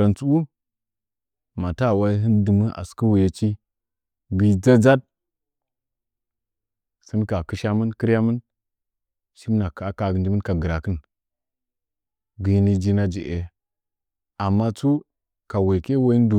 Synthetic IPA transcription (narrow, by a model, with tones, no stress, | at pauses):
ɾa˨nt͡su˦wu˦ | ma˨ta˦˨wa˦ɦi˦ndɨ˨mə˦ʔa̰˨skə˦wu˨je˨t͡ʃi˦ | ɡi˨d͡za˦d͡za˦d̚ | si˦nka˨kɨ˦ʃa˦mə˦nki˦ɾja˦mə˦n | ʃi˦mna˨ka˨˦ka˨ɡnd͡ʒi˦mə˦nka˨ɡə˨ɾa˨kə˦n | ɡi˨˦ni˦d͡ʒi˦na˦d͡ʒḭ˨ʔe˨ | a˨mːa˦t͡su˦ | ka˨we˨ke˦wa˦i˦du˨